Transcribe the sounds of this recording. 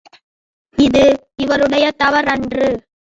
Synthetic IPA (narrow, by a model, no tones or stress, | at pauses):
ɪðɯ | ɪʋɐɾɯɽɐjɐt̪ɐʋɐɾɐndrɯ